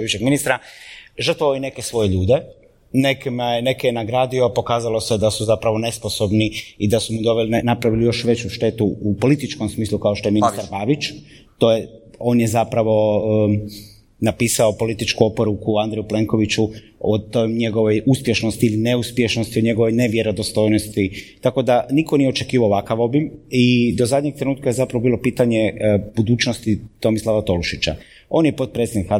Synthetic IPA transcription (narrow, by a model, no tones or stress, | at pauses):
biʃeɡminist̪ɾaʒrt̪ʋaoine̞ke̞sʋo̞je̞ʎuːd̪e | ne̞kimajene̞kenaɡɾaːd̪iopo̞kaːzalo̞sed̪asuzapɾaʋo̞ne̞sposo̞bniid̪asumud̪o̞ʋelinapɾaʋilijo̞ʃʋe̞t͡ɕuʃt̪e̞t̪uupo̞lit̪it͡ʃko̞msmiːslˠukaoʃt̪o̞jeinist̪aɾbaːʋit͡ʃ | t̪o̞ːjeo̞ːnjezapɾaʋo̞ | napiːsaopo̞lit̪it͡ʃkuopo̞ɾukuand̪ɾejuple̞ːŋko̞ʋit͡ɕu | ot̪ojɲe̞ɡo̞ʋo̞juspje̞ʃnost̪iiline̞uspjeʃno̞st̪ioɲe̞ɡo̞ʋo̞jne̞ʋje̞ɾo̞d̪ost̪o̞jnost̪it̪ako̞d̪anikonije̞o̞t͡ʃe̞kiːʋaoʋakaʋo̞bimid̪ozad̪ɲeɡ̚t̪ɾe̞nuːt̪̚kaje̞zapɾaʋo̞bilo̞piːt̪aɲe̞bud̪uːt͡ʃnost̪it̪o̞mislˠaʋat̪o̞luʃit͡ɕa̰ | o̞ːnjepot̪̚pɾet̪sʲed̪nika